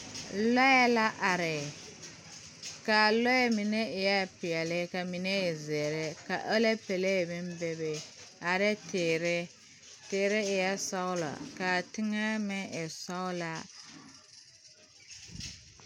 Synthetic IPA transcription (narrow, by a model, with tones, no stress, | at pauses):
lɔ˦jɛ˦la˦ʔa˨ɾɪ˨ | ka˨lɔ˦jɛ˦mi˨ne˦ɪ˨jɛ˦˨pɪ˨ɛ˨lɪ˦ka˨mi˨ne˦ɪ˨zɛ˨ɾɪ˦ka˨ʔo˦le˦pe˨le˦˨bɪ˦m˦bɛ˦be˨a˨ɾɛ˦teː˨ɾɪ˦ | teː˨ɾɪ˦ɪ˨jɛ˦sa˦ʊ˦lɔ̰˨ka˨tɪ˦ŋɛ˦mɛ˦ɪ˨sa˦ʊ˦la˨